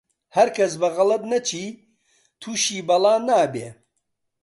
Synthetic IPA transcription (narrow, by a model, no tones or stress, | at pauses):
hɐɾkʰɐs̬bɐɣɐlɐt̪̚nɐt͡ʃʰiː | t̪ʰuːʃiːbɐlˠaːnaːbeː